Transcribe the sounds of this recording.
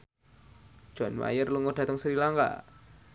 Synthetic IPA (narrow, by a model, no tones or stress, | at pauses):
ʒ̥ɔ̤nwa̰jərluŋodɖ̥ä̤t̪əŋsəɾilaŋka̰